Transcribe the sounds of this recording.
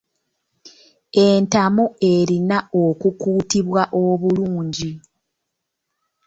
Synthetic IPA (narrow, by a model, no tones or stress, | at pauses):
e̞ntamoe̞ɾinaokukuːtiβwaʔo̞βuluːɲɟi